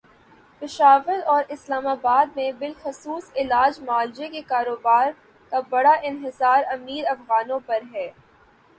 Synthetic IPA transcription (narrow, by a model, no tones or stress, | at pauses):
pɪʃaːʋɪɾɔːɾɪslaːmaːbaːd̪̚mẽbɪlxʊsuːsɪlaːd͡ʒmaːld͡ʒekekaːɾoːbaːɾ | kabɐɽaʔɪnɦɪsaːɾɐmiːɾɐfɣaːnõpɐɾɦɛː